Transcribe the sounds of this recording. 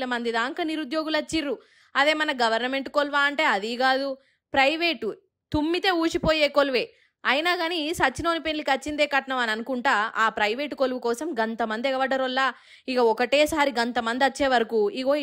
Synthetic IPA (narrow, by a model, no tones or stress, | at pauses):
lɐmɐnd̪id̪aːŋkɐniɾud̪jo̞ːɡulɐt͡ʃːiɾːu | ɐd̪e̞ːmɐnɐɡɐʋɐɾnɐme̞ɳʈkolʋaːɐɳʈe̞ːɐd̪iɡaːd̪u | pɾɐjʋeːʈu | t̪umːit̪e̞ːuːt͡ʃipoːjeːkolʋe̞ː | ɐjinaːɡaːnisɐt͡ʃːino̞ːnipenlikɐt͡ʃːind̪eːkɐʈɐnɐʋɐnɐnukuɳʈaːaːpɾɐjʋeːʈukolʋukɔːsɐmɡɐnt̪ɐmɐnd̪iɛɡɐʋɐɖɐɾɔlːaː | ikɐɔkɐʈeːsaːɾiɡɐnt̪ɐmɐnd̪iɐt͡ʃːeːʋɐɾɐkuːiɡoː